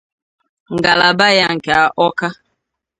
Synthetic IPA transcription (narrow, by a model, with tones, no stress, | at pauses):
ŋ̩˨ɡa˨la˨ba˦ja˦ŋ̩˨ke˨a˨ʔɔ˦ka˦